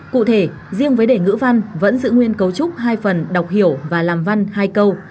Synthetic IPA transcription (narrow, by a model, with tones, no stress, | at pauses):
kṵ˧˨t̪ʰe˧˩ | zi˧əŋvəː˨˦jɗe˧˩ŋɨ̰˧˥va˧nvə̰˧˥nzɨ̰˧˨ŋwi˧ənkə˨˦wt͡ɕʊ˦˥k͡p̚ɦaː˧jfə˨˩nɗwk͡p̚hi˧˩əwvaː˨˩laː˨˩mva˧nhaː˧jkə˧w